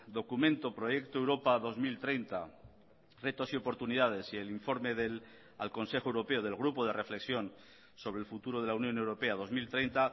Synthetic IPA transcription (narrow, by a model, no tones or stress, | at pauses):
d̪o̞kumẽnt̪o̞pɾo̞je̞kt̪oewɾo̞paðo̞zmilt̪ɾe̞jnt̪a | re̞t̪osio̞po̞ɾt̪uniðað̞e̞sieliɱfo̞ɾmeðel | alko̞nse̞xoewɾopeoð̞e̞lɣɾupoð̞e̞re̞fle̞ksjo̞n | so̞βɾe̞lfut̪uɾo̞ð̞e̞lawnjõ̞ne̞wɾo̞pe̞að̞o̞zmilt̪ɾejnt̪a